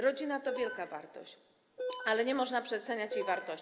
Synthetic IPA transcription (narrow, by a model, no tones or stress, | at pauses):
ɾɔd͡ʑinat̪ɔvʲjɛlkava̰ɾt̪ɔ̰ɕt͡ɕ | alɛɲɛmɔʐnapʂɛt̪sɛɲat͡ɕjejvaɾt̪ɔɕ